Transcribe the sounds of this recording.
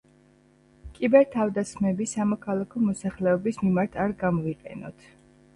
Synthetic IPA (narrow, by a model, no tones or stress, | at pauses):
kʼibɛɾt̪ʰavd̪asχmɛbisamɔkʰalˠakʰɔmɔsaχlɛɔbismimaɾt̪ʰaɾɡamɔiqʼɛ̰nɔ̰t̪ʰ